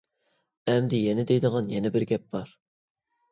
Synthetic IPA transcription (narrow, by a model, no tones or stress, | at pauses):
ɛmd̪ɪjɛnɪd̪ejd̪əʁɑnjɛnɛbɪɾɡʲɛp̚b̥ɑɾ